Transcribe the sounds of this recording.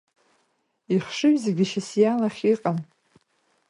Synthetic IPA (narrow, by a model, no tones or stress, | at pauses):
iχʂɨɥzeɡʲɪʃasjalaχʲiqʼan